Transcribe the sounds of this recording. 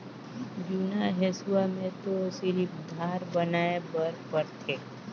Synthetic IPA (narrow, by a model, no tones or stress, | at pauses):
d͡ʒunaɦeswamẽt̪osɪɾipd̪ʱaːɾbənaebəɾpəɾt̪ʰe